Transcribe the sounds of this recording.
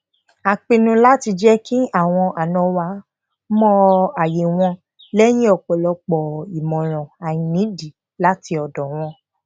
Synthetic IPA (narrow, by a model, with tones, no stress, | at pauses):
a˨k͡pe˧nũ˧la˦ti˧d͡ʒɛ˦ki˦a˦˨w̃ɔ̃˧ʔa˨nɔ̃˨˧wa˧˦ | mɔ̃˦a˨je˨w̃ɔ̃˧ | lɛ˦j̃ĩ˦ɔ˦˨k͡pɔ˨lɔ˧k͡pɔ˨i˨mɔ̃˨ɾ̃ɔ̃˨a˨j̃ĩ˧nĩ˨˦di˨˦ | la˦ti˧ɔ˨dɔ˨w̃ɔ̃˧